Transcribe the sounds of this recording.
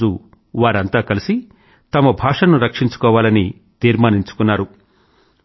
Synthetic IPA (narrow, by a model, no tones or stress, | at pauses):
u | ʋaːɾɐnt̪aːkɐlisi | t̪ɐmɐbʱaːʂɐnuɾɐkʂiɲt͡ʃu̥kɔːʋaːlɐni | t̪iːɾmaːniɲt͡ʃu̥kunːaːɾu